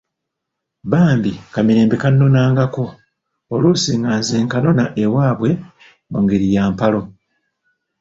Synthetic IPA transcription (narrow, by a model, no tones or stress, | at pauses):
βaːmbikamiɾe̞ːmbekanːo̞naːŋɡako̞ | oluːsiːŋɡaːnzeːŋkano̞naʔewaːβwe̞ | moŋɡeɾijaːmpalo̞